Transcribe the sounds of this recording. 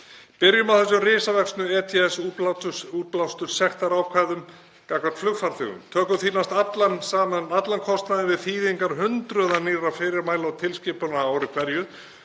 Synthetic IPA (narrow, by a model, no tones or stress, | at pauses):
pɪɾjʏmawθɛs̬arɪːsavɛksnʏɛːt̪ʰɛɛsupuːplawst̪ʏɾ̥sɛxt̪aɾaːwkʰvajðʏm | kakvat̪flʏɣfaɾ̥θʏ̰ɣʏ̰mt̪ʰœːkʏθiːnast̪at̪lansaːmanat̪lankʰɔst̪naðɪvɪðθiːðiŋkaɾɦʏnt̪ɾœðaniːrafɪɾɪɾmaːjlawt̪ʰɪlscɪpʏnaaːwɾɪkʰvɛɾjʏ